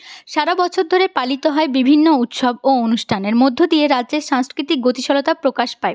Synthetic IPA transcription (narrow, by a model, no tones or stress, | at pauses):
ʃaɾabɔt͡ɕʰoɾd̪ʱoɾepalit̪oɦɔebibʱinːout̪ʃoboonuʃʈʰaneɾmod̪ʱːod̪ieɾadːʑeɾʃaŋskɾit̪ik̚ɡot̪iʃɔlot̪apɾokaʃpae